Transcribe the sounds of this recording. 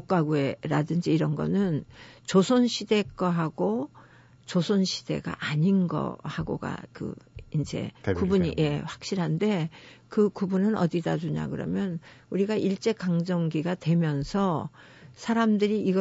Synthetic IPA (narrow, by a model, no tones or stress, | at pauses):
ok͈aɡue̞ɾadɯnd͡ʑiːɾʌnɡʌ̰nɯnt͡ɕosʰonɕʰide̞ɡ͈aɦaɡo | t͡ɕosʰonɕʰi̥d̥e̞̰ɡa̰ʔaɲinɡʌ̰haɡo̰ɡa̰kɯ̰ind͡ʑe̞̰kubuɲije̞ɸwḁk̚ɕ͈iɾɦande̞kɯkubunɯnʌdidad͡ʑuɲa̰kɯɾʌ̰mjʌnuɾiɡaiɭt͡ɕ͈e̞kaŋd͡ʑʌŋɡiɡatwe̞mjʌnsʰʌ | sʰaɾamdɯɾiiɡʌ